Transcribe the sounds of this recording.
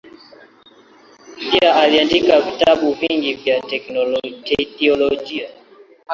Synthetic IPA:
piaʔaliandikavitaɓuviŋɡivjaɛtɛθiɔlɔʄia

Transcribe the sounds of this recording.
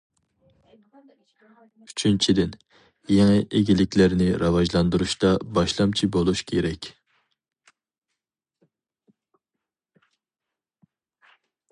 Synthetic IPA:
yt͡ʃʰynt͡ʃʰid̪ɪn | jeŋɨʔeɡʲilɪkʲlæɾnɪɾɑvɑʒlˠɑnd̪uɾuʃt̪ɑbɑʃlˠɑmt͡ʃʰibolˠuʃkʲʰeɾɛkʲ

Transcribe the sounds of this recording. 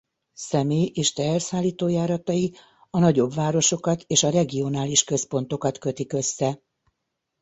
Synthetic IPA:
sɛmeːjʔeːʃt̪ɛɛrsaːlːiːt̪oːjaːɾɒt̪ɒji | ɒnɒɟo̞bʋaːɾo̞ʃo̞kɒt̪eːʃɒɾɛɡio̞naːliʃkø̞spo̞n̪t̪o̞kɒt̪kø̞t̪ikø̞sːɛ

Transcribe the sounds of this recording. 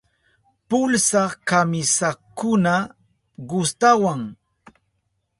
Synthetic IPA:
pʊlsɑkamɪsakʊna | ɢʊst̪awaŋ

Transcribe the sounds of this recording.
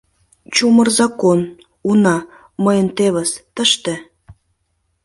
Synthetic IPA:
t͡ɕumərzɑkon | unɑ | məjənt̪eβəst̪əʃt̪ĕ

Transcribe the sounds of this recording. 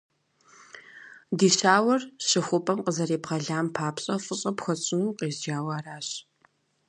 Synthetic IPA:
diːɕaːwɐrɕɪxʷʊpʼɐmqəzɐɾeːbʁɐɮaːmpʰaːpɕʼɐfɨɕʼɐpxʷɐt͡ɕʼɪnuqeːzd͡ʒaːwaːraːɕ

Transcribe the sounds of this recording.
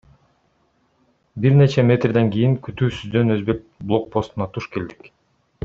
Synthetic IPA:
biɾne̞t͡ʃemʲe̞t̪rd̪eŋɡijiŋkyt̪yːsyzd̪ø̞nø̞zbe̞k̚blˠo̞k̚pʰo̞st̪unɑt̪ʰuʃke̞ld̪ik

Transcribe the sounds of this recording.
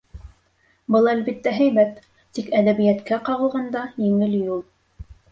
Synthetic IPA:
bɤlˠælbit̪ːæɦæjβæt̪ː | ikæðæβɘ̆jæt̪kæqɑʁɤ̆lˠʁɑnd̪ɑjɘ̆ŋɘljulˠ

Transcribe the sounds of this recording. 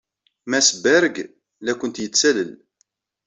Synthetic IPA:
mæsəbæɾɡ | lækʷənt̪jət͡sːæləl

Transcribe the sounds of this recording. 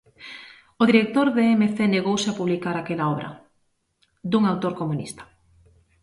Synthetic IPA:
oðiɾek̚t̪oɾðeemeθeneɣowsɪapuβlikaɾakelaɔβɾʔɐ̰ | d̪uŋawt̪oɾkomunḭst̪ḁ

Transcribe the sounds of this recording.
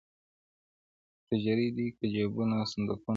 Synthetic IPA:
t̪ad͡ʒaɾid̪ikəd͡ʒabunasand̪əku

